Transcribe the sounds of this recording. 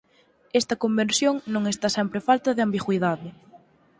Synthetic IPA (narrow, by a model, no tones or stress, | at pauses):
ɛst̪ɐkombensjoŋnõŋest̪asɛmpɾɪfalt̪ɐðɪambiɣwiðaðɪ